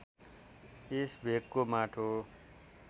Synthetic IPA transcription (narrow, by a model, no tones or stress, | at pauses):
esbʱekːomaʈʰo